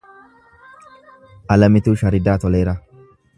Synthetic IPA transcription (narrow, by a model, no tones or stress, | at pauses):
ʔɐlɐmɪt̪uːʃɐɾɪd̪aːt̪ɔleːɾɐ